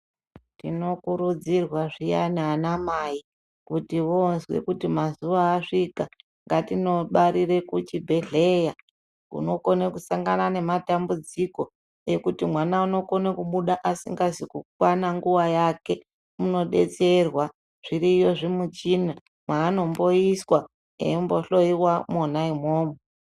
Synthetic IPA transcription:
tḭno̞kuɾud͡zirwaʐija̰nanamai | kutiʋonzwḛkutimazuʋaːʂika | ŋɡatino̞ɓaɾire̞kut͡ʃibʱe̞ɮe̞ja | kṵno̞ko̞nekusaŋɡanane̞matambud͡ziko̞ | je̞kutimwanauno̞konekuɓuɗaʔasḭŋɡazikukwanaŋɡuwajake̞ | muno̞ɗe̞̰t͡se̞rwa | ʐ̥iɾijo̞ʐimut͡ʃina | mwaːno̞mbo̞iswa | ḛmbo̞ɬo̞iwamonaimoːmo

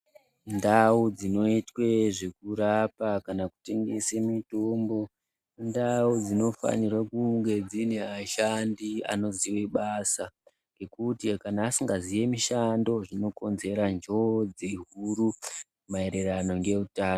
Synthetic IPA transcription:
ndaud͡zino̞itwe̞ʐekuɾapakanaku̥te̞ŋɡe̞semitoːmbo̞ | ndaud͡zino̞fa̰nirwakuŋɡe̞d͡zine̞aʃandia̰no̞ziweɓasa | ŋɡe̞kutikanaːsiŋɡazije̞miʃando̞ʐino̞ko̞nze̞ɾand͡ʒo̞d͡zeɦuɾukumae̞ɾerano̞ŋɡe̞rutaːno

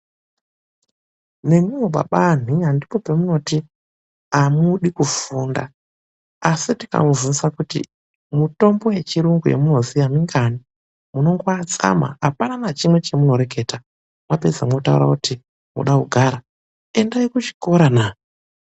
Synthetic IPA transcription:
ne̞muwoɓa̰ɓan̤iandipopemuno̞ti | amuɗikufuːnda̰ | asitika̰muvunisakutḭ | muto̞mbo̞je̞t͡ʃiɾuŋɡujḛmuno̞zijamiŋɡani | muno̞ŋɡoat͡sa̰ma̰apananat͡ʃimwe̞t͡ʃe̞muno̞ɾe̞ke̞ːta | mwape̞d͡zamotaṵɾa̰kuti | mṵɗakuɡʱaɾa | e̞ndaikut͡ʃi̥ko̞ɾanaː

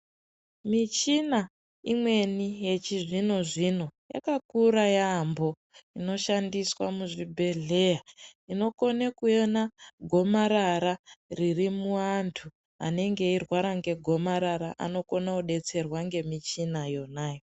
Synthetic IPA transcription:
mit͡ʃina | imwe̞nije̞t͡ʃiʐino̞ʐino̞ja̰kakuɾajambo̞ | ino̞ʃandiswamuʐibʱe̞ɮe̞jaino̞ko̞nekuenaɡʱo̞maɾaɾaririmuantʰu | a̰ne̞ŋɡe̞irwaɾaŋɡe̞ɡʱo̞maɾaɾaʔa̰no̞ko̞nauɗe̞t͡se̞rwaŋɡe̞mit͡ʃinajo̞naːjo

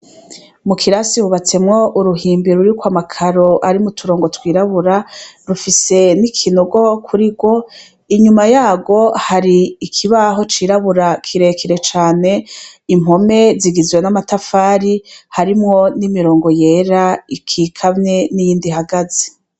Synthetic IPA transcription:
mukʰiɾasiɾuβat͡se̞mŋo̞ʔuɾuɦiːmbiɾuɾikwamakʰaɾo̞ʔaɾimutʰuɾo̞ːŋɡo̞twiːɾaβuɾaɾufise̞nikʰinuɡo̞kʰuɾiɡwo̞ | iɲumajaːɡo̞haɾiːkʰiβaɦo̞t͡ʃiːɾaβuɾakʰiɾe̞kʰiɾe̞t͡ʃaːne̞im̥ho̞me̞ziɡizwenamatafaːɾihaɾimŋo̞nimiɾo̞ːŋɡoje̞ːɾaikʰiːkʰamne̞nijiːndiɦaɡazi̥

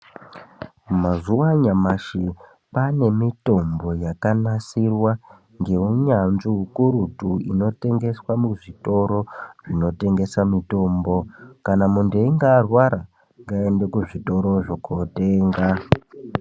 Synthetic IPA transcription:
mazuwaɲamaʃi | pane̞mito̞mbo̞jakanasirwa | ŋɡe̞uɲanziukuɾutuḭno̞te̞ŋɡe̞swamuʐito̞ɾo̞ʐino̞te̞ŋɡe̞samito̞ːmbo̞kanamundeŋɡaːrwaɾa | ŋɡae̞ndekuʐito̞ɾo̞ʐokoteːŋɡa

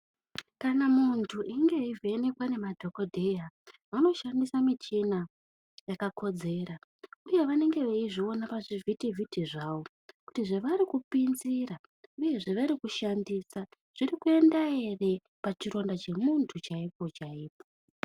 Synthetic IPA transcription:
kanamuntʰuʔiŋɡe̞ivʱene̞kwane̞madʱo̞ko̞dʱe̞ja | ano̞ʃandisamit͡ʃina | jakakʰo̞d͡ze̞ɾauje̞ʋane̞ŋɡe̞ʋeiʐio̞napaʐivʱitivʱitiʐaːwo̞ | ku̥tiʐe̞ʋaɾikupinziɾa | uje̞ʐe̞ʋaɾikuʃandiːsa | ʐ̥irikue̞ndae̞re̞ | pat͡ʃiɾo̞ndat͡ʃe̞muntʰut͡ʃaipo̞t͡ʃaiːpo

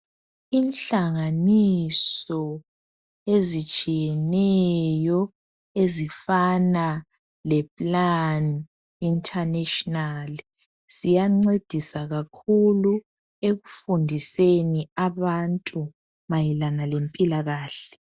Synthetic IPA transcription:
iːnɬaŋanisɔ | ezit͡ʃʼijɛnɛjɔ | ezifana | lɛpʼlan | intʰʼaneʃɔnali | sijaŋ͡ǀed̥ʱisaɣakʰulu | eɣufundʱiseniaβantʼu | majilanalempʼilaɣaːɬɛ

